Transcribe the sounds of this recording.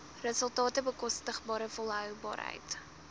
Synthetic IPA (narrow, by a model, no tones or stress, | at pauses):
rəsəlˠtɑːtəbəkɔstəχbɑːɾəfɔlˠɦœwbɑ̰ːrɦə̰jt